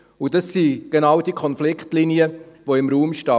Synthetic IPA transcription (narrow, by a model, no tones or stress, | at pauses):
ʊdɑsːiɡ̥enɑwd̥ikʰɔnflɪkχtliniəvoɪmɾuːmʃtɑ